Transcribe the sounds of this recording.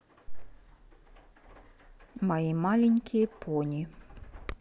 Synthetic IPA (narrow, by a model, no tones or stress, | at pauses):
majimalʲɛnʲkʲʰijɛpʰɔnʲi